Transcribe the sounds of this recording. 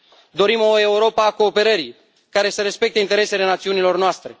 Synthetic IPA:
d̪o̞ɾimo̞e̞uɾo̞pəːko̞ːpe̞ɾəɾi | kaɾe̞səɾe̞spe̞k̚t̪eint̪eɾe̞se̞le̞nat̪siunilo̞rnoast̪ɾe̞

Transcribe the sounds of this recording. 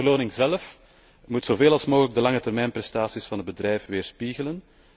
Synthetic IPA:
ərloːnɪŋzɛlf | mutsoveːlɑlˠsmoːɣələɡ̚dəlɑŋətɛrmɛjnprɛstaːsisfɑnədbədrɛjfʋeːrspiɣələn

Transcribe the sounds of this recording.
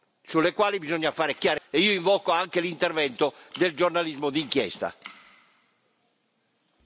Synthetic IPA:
sulːɛkwaːlibizɔɲːafaːɾekjaːɾɛiːoiɱvɔːkoaŋkelint̪ɛɾvɛnt̪ɔd̪ɛld͡ʒornalizmɔd̪iŋkjɛ̰st̪a̰

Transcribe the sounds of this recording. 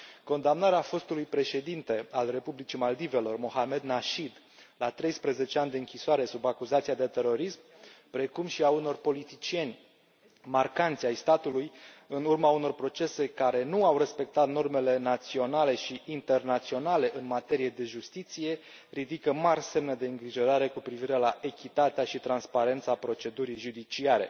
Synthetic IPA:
ko̞nd̪amnaɾeafo̞st̪ulujpɾe̞ʃe̞d̪int̪e̞alre̞publit͡ʃimald̪ive̞lo̞rmo̞hame̞d̪naʃid̪ | lat̪ɾe̞jspɾəze̞t͡ʃe̞anʲd̪eɨŋkʲisoaɾe̞subakuzat̪sijad̪e̞t̪e̞ɾo̞ɾismpɾe̞kumʃiauno̞rpo̞lit̪it͡ʃije̞nʲ | markant̪siajst̪at̪ulujɨnurmauno̞rpɾo̞t͡ʃe̞se̞kaɾe̞nuawre̞spe̞k̚t̪at̪no̞rme̞le̞nat̪sio̞nale̞ʃiʔint̪e̞rnat̪sio̞nale̞ʔɨnmat̪e̞ɾije̞d̪e̞ʒust̪it̪sije̞ | rid̪ikəmarʲse̞mnəd̪e̞ɨŋɡɾiʒo̞ɾaɾe̞kupɾiviɾe̞laʔe̞kʲit̪at̪eaʃit̪ɾanspaɾe̞nt̪sapɾo̞t͡ʃe̞d̪uɾijʒud̪it͡ʃiaɾe̞̰

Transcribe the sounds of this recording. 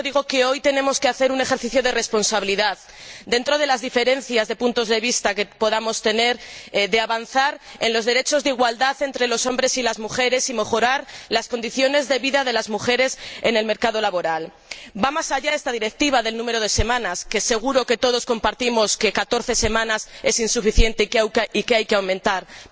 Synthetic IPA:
oðiɣ̞o̞ke̞o̞jt̪e̞nẽ̞mo̞ske̞aθe̞ɾune̞xeɾθiθjo̞ðere̞spo̞nsaβiliðað | d̪e̞nt̪ɾo̞ð̞elazðife̞ɾe̞n̟θjazðe̞punt̪o̞zðe̞β̞ist̪ake̞po̞ðamo̞st̪e̞ne̞ɾðeaβanθaɾe̞nlo̞zðe̞ɾe̞t͡ʃo̞zðiɣwald̪aθe̞nt̪ɾe̞lo̞so̞mbɾe̞silazmuxe̞ɾe̞sime̞xo̞ɾaɾlasko̞nd̪iθjo̞ne̞zðe̞βiðaðe̞lazmuxe̞ɾe̞se̞ne̞lme̞ɾkað̞o̞laβo̞ɾal | bamasaʝae̞st̪aðiɾe̞k̚t̪iβ̞aðe̞lnũme̞ɾo̞ð̞e̞se̞mãnaske̞se̞ɣ̞uɾo̞ke̞t̪o̞ð̞o̞sko̞mpaɾt̪imo̞ske̞kat̪o̞ɾθe̞se̞mãnase̞sinsufiθje̞nt̪eikikeajkeawmẽnt̪aɾ

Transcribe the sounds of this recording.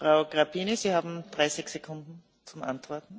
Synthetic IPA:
fʁaʊɡ̥ʁapʰiːnəsiːhaːbm̩d̥̪ʁaɪsɪçsekʰʊndn̩ | t͡sʊmʔa̰ntv̥ɔɐtn̩

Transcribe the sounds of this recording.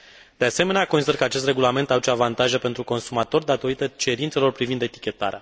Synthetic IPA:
d̪̥ease̞me̞neakosid̪ərkəat͡ʃest̪re̞ɡulame̞nt̪aut͡ʃoavant̪aʒəpe̞nt̪ɾuko̞nsumat̪o̞rd̪at̪o̞ɾit̪ət͡ʃe̞ɾint̪selo̞rpɾivind̪et̪i̥kʲe̞t̪a̰ɾea

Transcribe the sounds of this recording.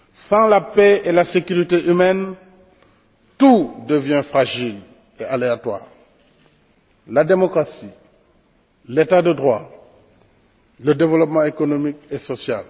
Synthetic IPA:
sɑ̃lapeelasekyʁit̪eʔymɛn | t̪ud̪əvjɛ̃fχaʒil | ealeat̪wa̰ːʁ | lad̪emɔkʁasi | let̪ad̪əd̪ʁwa | ləd̪evəlɔpmɑ̃ekɔnɔmikesɔsja̰l

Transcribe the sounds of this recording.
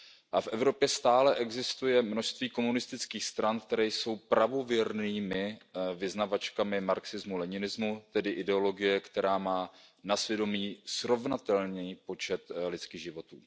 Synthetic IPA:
ʔafʔɛvɾo̞pjɛst̪aːlɛʔɛɡzɪst̪ujɛmno̞ʃst̪viːko̞munɪst̪ɪt͡skiːxst̪ɾankt̪ɛɾɛjso̞wpɾavo̞vjɛɾniːmɪvɪznavat͡ʃkamɪmaɾksɪzmulɛɲɪnɪzmut̪ɛdɪʔɪdɛo̞lo̞ɡɪjɛkt̪ɛɾaːmaːnasvjɛdo̞miːsɾo̞vnat̪ɛlɲɛpo̞t͡ʃɛt̪lɪt͡skiːɣʒɪvo̞t̪ṵː

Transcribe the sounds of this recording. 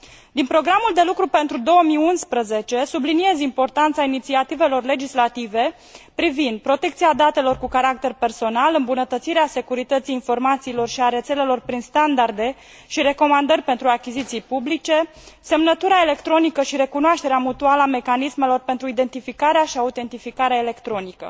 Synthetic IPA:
d̪inpɾo̞ɡɾamuld̪e̞lukɾupe̞nt̪ɾud̪o̞wəmiunspɾəze̞t͡ʃe̞sublinie̞zimpo̞rt̪ant̪sainit̪siat̪ive̞lo̞rle̞d͡ʒislat̪ive̞ | pɾivind̪̚pɾo̞t̪e̞kt̪siad̪at̪e̞lo̞rkukaɾak̚t̪e̞rpe̞rso̞nalɨmbunət̪ət̪siɾease̞kuɾit̪ət̪siːnfo̞rmat̪siːlo̞rʃiaɾe̞t̪se̞le̞lo̞rpɾinst̪and̪ard̪e̞ | ʃiɾe̞ko̞mand̪ərʲpe̞nt̪ɾuakʲizit̪sijpublit͡ʃe̞ | se̞mnət̪uɾaele̞kt̪ɾo̞nikəʃiɾe̞kunoaʃt̪e̞ɾeamut̪ualame̞kanisme̞lo̞rpent̪ɾuid̪e̞nt̪ifikaɾeaʃiaut̪e̞nt̪ifikaɾeaele̞kt̪ɾo̞nikə̰

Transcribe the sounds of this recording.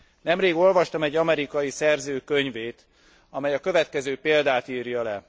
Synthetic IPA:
nɛmreːɡo̞lvɒʃt̪ɒmɛɟːɒmɛɾikɒjisɛrzøːkøɲveːt̪ | ɒmɛjɒkø̞vɛt̪kɛzøːpeːld̪aːt̪iːrjɒlɛ

